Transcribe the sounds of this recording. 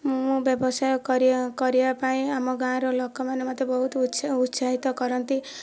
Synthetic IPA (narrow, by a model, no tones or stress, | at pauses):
ũbjɔbɔsajɔkɔɾikɔɾibapaĩamɔɡãɾɔlɔkːɔmanemat̪jebɔɦut̪sut̪saɦit̪ɔkɔɾɔnt̪i